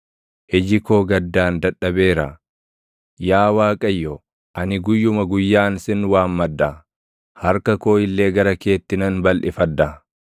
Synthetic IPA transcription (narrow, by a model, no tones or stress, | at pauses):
ʔɪd͡ʒɪko̞ːɡɐd̪ːaːnd̪ɐᶑɐbe̞ːɾɐ | jaːwaːkʼɐjːɔ | ʔɐnɪɡʊjːʊmɐɡʊjːaːnsɪnwaːmːɐd̪ːɐ | hɐɾkɐko̞ːɪlːe̞ːɡɐɾɐke̞ːt̪ːɪnɐnbɐlʔɪfɐd̪ːɐ